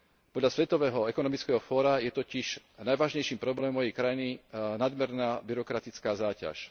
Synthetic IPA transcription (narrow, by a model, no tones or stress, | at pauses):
pɔd̪ʎasʋɛt̪ɔʋɛːɦɔɛkɔnɔmit͡skɛɦɔfɔːɾajɛt̪ɔciʃ | najʋaːʒɲɛjʃiːmpɾɔblɛːmɔmɔjɛjkɾajininad̪mɛɾnaːbiɾɔkɾat̪it͡skaːzaːca̰ʃ